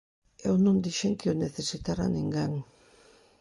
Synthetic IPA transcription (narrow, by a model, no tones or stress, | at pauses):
ewnund̪iʃeŋkioneθesit̪ara̰niŋɡaŋ